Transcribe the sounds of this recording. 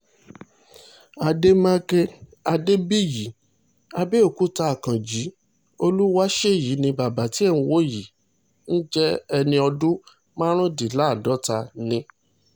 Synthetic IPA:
a˧de˦mã˦ke˦a˧de˦bi˦˨ji˨˦ | a˧be˦o˨ku˦ta˧a˨kã˨d͡ʒi˨˦ | o˧lu˦wa˦ʃe˦˨ji˨˦nĩ˧ba˨ba˨˦ti˨˦ɛ˦˨nũ˧wo˦˨ji˨˦ | n̩˦d͡ʒɛ˦ɛ˧nĩ˧ɔ˧dũ˦ | mã˦ɾ̃ũ˦di˨la˨˦˨dɔ˨˦ta˧nĩ˧

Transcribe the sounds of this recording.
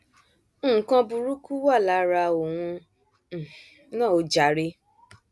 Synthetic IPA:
õ˦˨kã˧bu˧ɾu˦ku˦wa˦˨la˨˦ɾa˧o˨w̃ũ˧˨ | nãː˦˨o˨˦d͡ʒa˨˦ɾe˧˦

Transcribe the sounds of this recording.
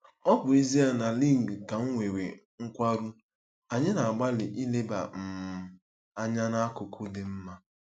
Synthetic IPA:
ɔ˦bʊ˨i˦zi˦a˦na˨li˦ŋ̩˨ɡka˨ŋ̩˦ŋʷe˨wḛ˨ | ŋ̩˦kʷa˦ɾu˦ | a˨ɲɪ˦na˨a˨ɡ͡ba˦lɪ˨ʔi˦le˦ba̰˨m̩˨m̩˨ | a˦ɲa˦na˦kʊ˨kʊ˦dɪ˨m̩˦ma˦

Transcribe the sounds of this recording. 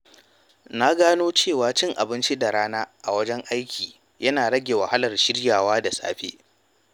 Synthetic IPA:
na˦ɡaː˦noː˦t͡ʃeː˦˨waː˦t͡ʃɪ˦ŋʔa˨bɪ˦nt͡ʃi˦da˨ɾaː˦naː˦ʔa˨wɐ˦d͡ʒɛ˦ŋʔa˦jkʲiː˨ | jɐ˦naː˨ɽɐ˦ɡʲeː˨wɐ˨ha˦lɐ˨rʃɪ˦ɽjaː˨waː˦da˨sʼa̰ː˦ɸḛː˦

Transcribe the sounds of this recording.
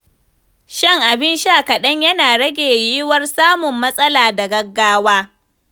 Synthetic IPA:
ʃɐ˦˨ŋʔa˨bɪ˦nʃa˦˨kɐ˨ɗɐ˦ɲjɐ˦naː˨ɽɐ˦ɡʲeː˨jiː˦wɐ˦rsaː˦mʊ˨mːɐ˦sʼɐ˦laː˨da˨ɡɐ˦ɡːaː˦waː˦

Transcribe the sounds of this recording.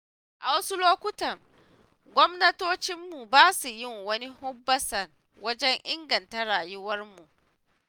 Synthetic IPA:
ʔa˨wɐ˦su˦loː˦kʷʊ˦tɐ˨ŋ | ɡʷɔ˦mnɐ˦toː˦t͡ʃɪ˦mːu˨baː˦su˨jɪ˦˨ŋwɐ˦ni˦hʊ˦bːɐ˦sɐ˨r | wɐ˦d͡ʒɛ˦ɲʔɪ˦ŋɡɐ˨ntɐ˦ɽaː˨jʊ˦wɐ˦rmu˨ʔ

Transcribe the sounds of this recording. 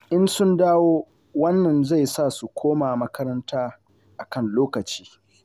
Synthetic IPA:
ʔɪ˦nsʊ˦ndaː˦woː˦ | wɐ˦nːɐ˨nza˦˨jsa˦˨su˨kʷoː˦maː˨mɐ˦kɐ˦ɾɐ˦ntaː˦ | ʔa˨kɐ˦˨nloː˦kɐ˨t͡ʃiː˦

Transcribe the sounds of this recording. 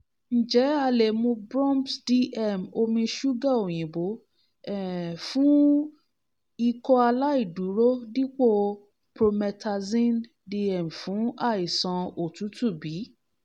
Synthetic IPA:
n̩˨d͡ʒɛ˨˦a˧le˨mũ˧bɾɔ̃˦msdi˧ɛ˦˨mo˧mĩ˧ʃu˦ɡa˦˨o˨j̃ĩ˨bo˨˦ | ɛ˦˨fũ˦ | i˧kɔ˧a˧la˦i˦˨du˨˦ɾo˦di˦k͡po˦ | pɾo˧mɛ˧tʰa˧zĩ˦n | di˧ɛ˦˨m˨fũ˨˦a˦˨i˨sã˧o˨tu˨˦tu˦˨bi˨˦

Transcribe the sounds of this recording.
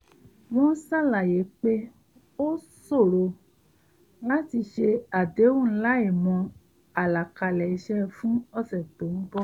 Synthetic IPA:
w̃ɔ̃˦sa˦˨la˨je˨˦k͡pe˦ | o˦ | so˦˨ɾo˧ | la˦ti˧ʃe˧a˨de˨˦wũ˦˨˦la˦e˦˨mɔ̃˧ | a˨la˨ka˧˨lɛ˨i˧ʃɛ˦˧fũ˦ɔ˦˨sɛ˨to˨˦n̩˦bɔ˦

